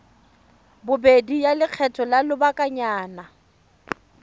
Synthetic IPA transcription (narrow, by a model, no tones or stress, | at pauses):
bʊbedijalɪq͡χʰɛtʼɔlalʊbakʼaɲaːna